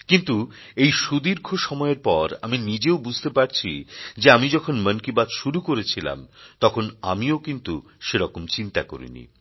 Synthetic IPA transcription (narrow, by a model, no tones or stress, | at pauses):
kint̪u | ejʃud̪iɾkʰoʃɔmɔeɾpɔɾa̰minid͡ʑeobud͡ʑʱt̪epaɾt͡ɕʰid͡ʑeamid͡ʑɔkʰonmənkibad̪ʃuɾukoɾet͡ɕʰila̰mt̪ɔkʰona̰miokint̪uʃeɾɔkomt͡ɕint̪ako̰ɾḭnḭ